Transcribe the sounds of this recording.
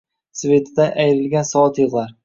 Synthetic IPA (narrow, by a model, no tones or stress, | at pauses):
sve̞t̪ʰɪd̪aʔajɾɪlɡʲansɒɒt̪jɨʁlˠaɾ